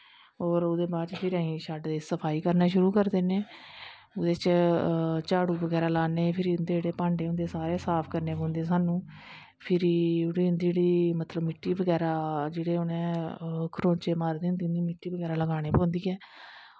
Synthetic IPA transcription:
ɦɔːɾʊd̪eːbaːɾt͡ʃpʰɪɾəɦĩːʃaːɖd̪eːsəpʰaːiːkəɾnaːʃʊɾuːkəɾd̪eːneː | ʊd̪eːt͡ʃ | t͡ʃaːɽuːbəɡɛːɾaːlaːneːpʰɪɾiːʊnd̪eːeːɽeːpãːɳɖeːʊ̃nd̪eːsaːɾeːsaːpʰkəɾneːpõːnd̪eːs̬aːnũː | pʰɪɾiːʊɽiːɦʊnd̪iːd͡ʒeːɽiːmət̪ləbmɪʈːiːbəɡɛːɾaːd͡ʒeːɽeːʊnẽːkʰɾõːt͡ʃeːmaːɾd̪eːɦnd̪iːʊnd̪iːmɪʈːiːbəɡɛːɾaːləɡaːɽ̃eːpõːnd̪iːɛː

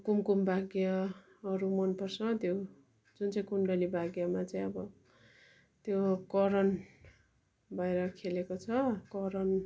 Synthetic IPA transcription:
kumkumbʱaɡja | ʌɾumʌnpʌrsʌt̪jo | d͡zunt͡sʌĩkuɳɖʌlibʱaɡjamat͡saĩʌbʌ | t̪jokʌɾʌn | bajɾʌkʰelekot͡sʰʌkʌɾʌn

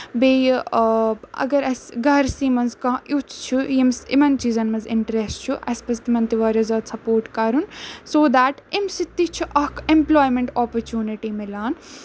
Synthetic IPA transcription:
beː | ɐ̰ɡɐɾɐsɡɐɾsiːmɐnzkɐ̃ːut͡ʃt͡ʃʰujimsḭmɐnt͡ʃiːzɐnmɐzɪ̰ɳʈɾesʈt͡ʃʰuʔɐ̰spɐst̪imɐnt̪iʋaːɾjozaːd̪sɐpoːɾʈkɐɾunsoːd̪æːʈimsit̪ːit͡ʃʰuʔɐkẽmploːjmẽɳʈɔːpɐɾt͡ʃjuːniʈimilaːn

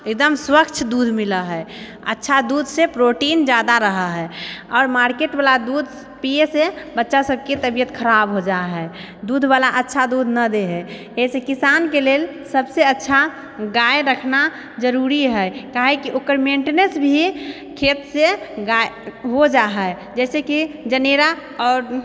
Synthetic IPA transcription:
ek̚d̪əmswəkt͡ʃʰd̪ud̪ʱmiləɦɛ | ə̰tːʃʰad̪ud̪ʱsepɾoʈind͡ʒad̪aɾəɦəɦɛɔːɾmaɾkeʈbalad̪ud̪ʱ | piesebətːʃasəb̚ket̪əbijət̪kʰəɾabɦod͡ʒaɦɛ | d̪ud̪ʱbalaʔətːʃʰad̪ud̪ʱnəd̪eɦɛ | esekisankelelsəbseətːʃʰa | ɡaeɾəkʰna | d͡ʒəɾuɾiɦɛkaɦɛkiʔokəɾmeɳʈenəsbʱi | kʰet̪seɡaeɦod͡ʒaɦɛ | d͡ʒɛːsekid͡ʒəneɾa | ɔːɾ

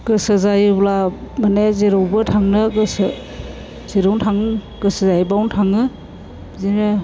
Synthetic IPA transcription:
kɯsɯzajblamanezeɾowbɯtʰaŋnɯkɯs | zeɾɔwntʰaŋkɯsɯzajbawntʰaŋɯ | zinɯ

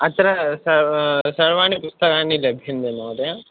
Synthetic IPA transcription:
ɐt̪ɐɾɐsɐsɐɭʋaːnipust̪ɐkaːnilɐbʱind̪enoːd̪a

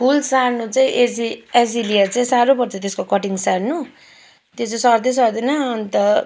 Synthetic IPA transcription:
pulsarnut͡saĩʔed͡zied͡zilijʌrt͡saĩsaɾopʌɾt͡sʰʌt̪eskokʌʈiŋsaɾnu | t̪jot͡saĩsʌɾd̪es̬ʌɾd̪ʌnʌːnit̪ʌ

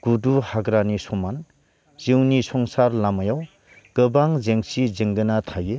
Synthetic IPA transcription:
ɡ̥uduhaɡɾanisɔman | z̥iwnisɔŋsaɾlamajaw | kɯbaŋzeŋsizeŋɡɯnatʰaje

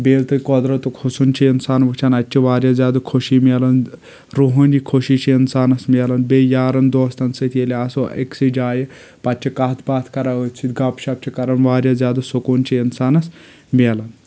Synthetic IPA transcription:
beːlt̪ɨkɔd̪ɾɐt̪ukʰusunt͡ʃʰiinsaːnʋɐt͡ʃʰanɐtʲt͡ʃʰiʋaːɾjazʲjaːd̪ukʰoʃimʲelɐn | ɾuɦɐnʲikʰoʃiːt͡ʃʰiinsaːnɐsmʲeːlɐnbejaːɾɐnd̪oːst̪ɐnsɐt̪ʰeleasoḛksid͡ʒaːje | pɐtʲt͡ʃʰikaɦt̪ʰbaːt̪ʰkɐɾaət͡ʃʰit̪ɡɐpʃap̚t͡ʃʰikɐɾɐnʋaːɾjazjaːd̪usokuːnt͡ʃʰiinsaːnɐs | mʲelɐn

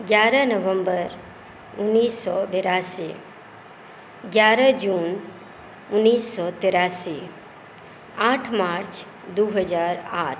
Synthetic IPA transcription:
ɡjaːɾənəʋə̃mbəɾ | ʊnːiːsːɔbeɾaːsi | ɡjaːɾəd͡ʒuːn | ʊnːiːsːɔt̪eɾaːsi | aːʈʰmaɾt͡ʃ | d̪uɦəd͡ʒaːɾaːʈʰ

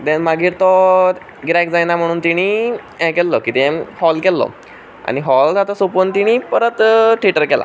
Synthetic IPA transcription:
t̪ɛ̃nmaɡiːɾt̪ɔ | ɡɾajk̚d͡zajnam̤əɽ̃uːnt̪iɽ̃i | ɛ̃kɛlːɔkit̪ɛ̃hɔlkɛlːɔ̰ | a̰ɽ̃iɦɔld͡zat̪ɔsopont̪iɽ̃iːpəɾət̪ʈʰiʈəɾkɛla̰

